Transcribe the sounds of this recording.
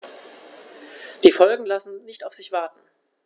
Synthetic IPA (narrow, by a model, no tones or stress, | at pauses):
d̥iːfɔlɡŋ̩lasn̩nɪçtaʊfz̥ɪçv̥aɐtn̩